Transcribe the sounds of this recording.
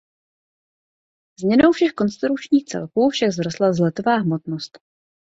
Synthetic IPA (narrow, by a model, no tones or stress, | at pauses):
z̥mɲɛno̞wfʃɛxko̞nst̪ɾut͡ʃɲiːxt͡sɛ̰lkuːfʃaɡzɾost̪lazlɛt̪ovaːɦmot̪nost̪